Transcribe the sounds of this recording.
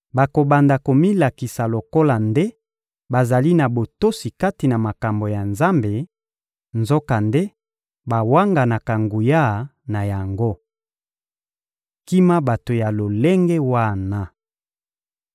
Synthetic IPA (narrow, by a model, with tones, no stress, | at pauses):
ba˨ko˨ba˨nda˨ko˨mi˦la˨ki˨sa˨lo˨ko˦la˨nde˦ | ba˨za˨li˦na˨bo˨to˦si˨ka˦ti˨na˨ma˨ka˨mbo˨ja˨nza˦mbe˨ | nzo˦ka˨nde˦ | ba˨wa˦ŋɡa˨na˨ka˨ŋɡu˨ja˦˨ | na˨ja˨ŋɡo˦ | ki˦ma˦ba˨to˨ja˨lo˨le˦ŋɡe˦wa˦˨na˦